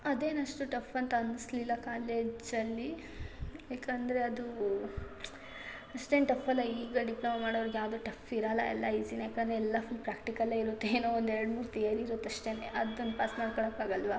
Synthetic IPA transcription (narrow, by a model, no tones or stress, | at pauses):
ɐd̪eːnɐʂʈuʈɐfʰɐnt̪ɐɐnislilːɐkaːleːd͡ʒɐlːi | aːkɐnd̪ɐɾe̞ɐd̪u | ɐʂʈeːnʈɐpʰːɐlːɐiːɡɐɖiplɐmɐmaːɽoʋɐɾiɡjaːʋd̪oːʈɐfʰiɾalɐ̰ɛ̰lːɐisinjaːkɐnd̪ɾeɛlːɐpɾaːkʈikɐlaːiɾut̪ːeːnoːond̪ɛɾɐɽmuːɾt̪ijɐɾiiɾot̪ːɐʂʈeːneʔɐd̪ond̪paːsmaːɖkɔɭɐkːaːɡɐlʋɐ